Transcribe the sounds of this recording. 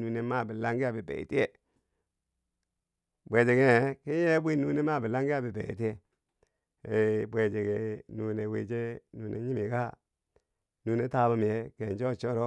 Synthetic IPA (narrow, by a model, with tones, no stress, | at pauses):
nu˨ne˦ma˦˨bi˨la˦ŋɡi˦a˨bi˨bḛ˨ḭ˨ti˦je˨ | bʷe˨d͡ʒe˨ɡe˨˦ki˦je˦bi˦nu˦ne˦ma˦˨bi˨la˦ŋɡi˦a˨bi˨bḛ˨ḭ˨ti˦e˨ | e˨bwe˨d͡ʒe˨ɡe˨nu˨ne˨wḛ˨d͡ʒe˦nu˨nḛ˨ɲi˦mi˨ka˦ | nu˨˦ne˦ta˦ba˦m˨e˨˦ke˨n˨d͡ʒo˦˨t͡ʃo˦ɾo˦